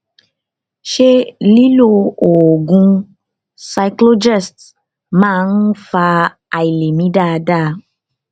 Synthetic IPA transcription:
ʃe˦li˦lo˧o˨ɡũ˦ | sa˧jklo˦d͡ʒɛ˦˨st | mã˦˨n̩˦fa˧ | a˨i˨le˨mĩ˦ɖa˦˨ɖa˦˨

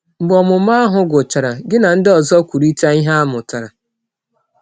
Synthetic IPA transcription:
m̩˨bɔ˨mʊ˨m˦a˦ɦʊ˨ɡʊ˨t͡ʃa˨ɾa˨ɡɪ˦na˨n̩˦dɪ˦ɔ˨zɔ˦kʷu˨ɾi˦ta˦i˦ɦa˦a˦mʊ˨ta˨ɾa˨

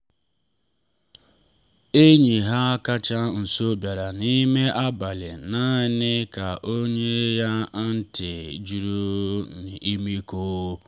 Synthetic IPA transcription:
e˦ɲi˨ɦa˦ka˦t͡ʃa˦n̩˨so˦bja˨ɾa˨ni˦me˦ʔa˦ba˨lɪ˨na˦ɪ˦nɪ˦ka˨ʔo˦ɲe˦ja˦n̩˦tɪ˨d͡ʒu˨ɾu˦n˨i˦mi˦ko˦

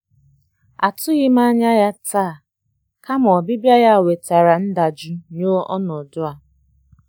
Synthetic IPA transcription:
a˨tʊ˦ɣɪ˦ma˦ɲa˦ja˦taː˦˨ | ka˦mɔ˨bi˦bja˦ɣa˦˨we˨ta˨ɾa˨n̩˦da˨d͡ʒi˨ɲo˦ɔ̰˦nɔ˨dʊ˦a˨

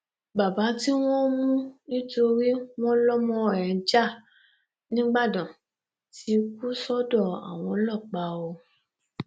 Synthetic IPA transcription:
ba˨ba˨˦ti˦w̃ɔ̃˦mũ˦i˦to˧ɾi˦w̃ɔ̃˦lɔ˦mɔ̃˧˦˨ɾɛ̃˨˦d͡ʒa˦˨ | nĩ˦ɡ͡ba˦˨dɔ̃˨ | ti˨˦ku˦sɔ˦dɔ˦˨a̰˨w̃ɔ̃˨˧˦lɔ˦˨k͡pa˧o˧

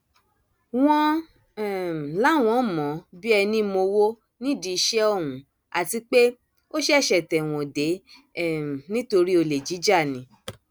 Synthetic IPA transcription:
w̃ɔ̃˦ | ɛ˨la˦w̃ɔ̃˨˦mɔ̃˨˦bi˦ɛ˧nĩ˦mo˧wo˦ | nĩ˦di˧ʃɛ˦ɔ˦˨wũ˨˦ | a˨ti˧k͡pe˦ | o˦ʃɛ˦˨ʃɛ˨tɛ˨w̃ɔ̃˨de˨˦˨ | nĩ˦to˧ɾi˦o˧le˨d͡ʒi˨˦d͡ʒa˦˨nĩ˨˦

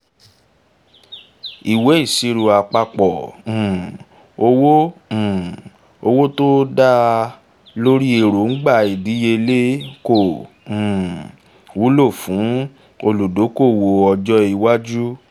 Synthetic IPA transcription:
i˨we˨˦i˦˨si˧ɾu˨a˨k͡pa˧k͡pɔ̃˨ | o˧wõ˦˨ | o˧wo˦to˦da˦ | lo˦ɾi˦e˨ɾo˨˦n̩˦ɡ͡ba˦˨i˨di˨˦je˧le˦kõ˦˨ | wu˨˦lo˦˨fũ˨˦ | o˧lu˨do˨˦ko˦˨wo˨ɔ˧d͡ʒɔ˦i˧wa˦d͡ʒu˦

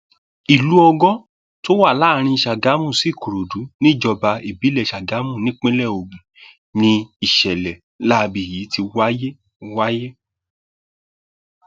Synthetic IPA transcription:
i˨lu˨˦ɔ˧ɡɔ˦ | to˦wa˦˨la˦˨ɾ̃ĩ˧ʃa˨ɡa˨˦mũ˦˨si˨˦˨ko˨ɾo˨du˨˦nĩ˦˨d͡ʒɔ˧ba˧i˨bi˨˦lɛ˦˨ʃa˨ɡa˨˦mũ˦˨nĩ˦k͡pẽ˦lɛ˦˨o˨ɡ͡bũ˨ | nĩ˧i˨ʃɛ˨lɛ˨ | la˦˧bi˨ji˨˦ti˧wa˦je˦ | wa˦je˦

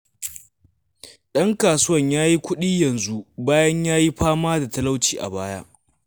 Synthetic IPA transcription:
ɗɐ˦ŋkaː˨sʊ˦wɐ˦˨ɲjaː˦ji˦kʷʊ˦ɗiː˦jɐ˨nzu˦baː˦jɐ˦ɲjaː˦ji˦ɸaː˦maː˦da˨tɐ˦la˦wt͡ʃiː˨ʔa̰˨baː˦ja̰ː˦

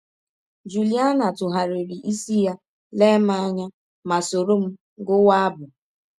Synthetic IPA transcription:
d͡ʒu˨li˦a˦na˨tʊ˨ɦa˨ɾe˨ɾi˨ʔi˦si˦ja˦ | le˦ma˦a˦ɲa˦ | ma˨so˨ɾo˦m̩˦ | ɡʊ˦wa˦a˦bʊ˨

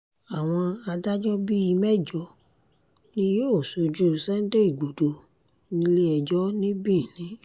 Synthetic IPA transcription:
a˨w̃ɔ̃˧a˧da˦d͡ʒɔ˦bi˦i˧mɛ˦˨d͡ʒɔ˧˦ | nĩ˧˦jo˦˨so˨˧d͡ʒu˦˨sɛ˦n̩˦de˦i˦˨ɡ͡bo˨do˨ | nĩ˦le˦ɛ˧d͡ʒɔ˦nĩ˦bĩ˦˨nĩ˨˦

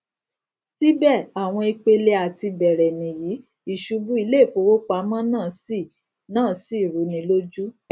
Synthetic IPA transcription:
si˦bɛ˦˨a˨w̃ɔ̃˧i˧k͡pe˧le˧˦a˨ti˧bɛ˨ɾɛ˨nĩ˨ji˨˦ | i˨ʃu˧˦bu˦i˧˦le˦˨fo˨˧˦wo˦k͡pa˧˦mã˦nãː˦˨si˦˨ | nãː˦˨si˦i˦˨ɾu˨˦nĩ˧˦lo˦d͡ʒu˦

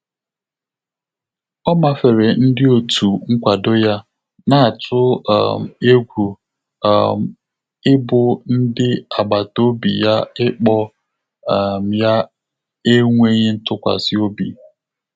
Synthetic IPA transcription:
ɔ˦ma˦fe˨ɾe˨n̩˦dɪ˦o˨tʰu˨ŋ̩˦kʷa˨do˦ja˦ | na˨a˨tʰʊ̰˦˨m˨e˦ɡʷṵ˨ | m̩˨ | ɪ˦bʊ˨n̩˦dɪ˦a˨ɡ͡ba˨to˦bḭ˨ja˦ɪ˦k͡pɔ˦˨ | m̩˨ja˦ | e˦ŋʷe˦ɲe˦n̩˦tʊ˦kʷa̰˨sɪ˦o˦bḭ˨

